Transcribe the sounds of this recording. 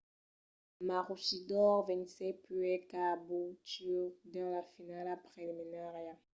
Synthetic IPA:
maʁuʃidɔʁvɛ̃nsɛpyɛkabutyʁd̪ɑ̃lafinalapʁeliminaʁja

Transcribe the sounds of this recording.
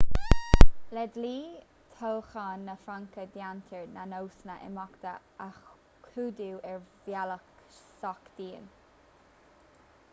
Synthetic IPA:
lɛd̪liː | t̪ʰowxaːnːəfɾaŋkəd̪jant̪ʰəɹnanowsnəʔɛ̰mɔkt̪ə̰ | ax | kʰuːd̪uːʔɛɹvjalək | sɔkd̪̥iːn

